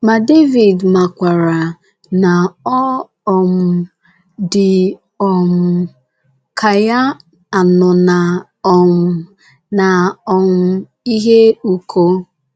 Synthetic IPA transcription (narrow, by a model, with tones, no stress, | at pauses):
ma˨de˦vi˨dma˨kʷa˨ɾa˨ | na˨ɔ˦ | ɔ˨m̩˨ | dɪ˨ | ɔ˨m̩˨ | kʰa˨ja˦ | a˨nʊ˨na˨ | ɔ˨m̩˨ | na˨ɔ˨m̩˦ | i˦ɦe˦u˨kʰo˦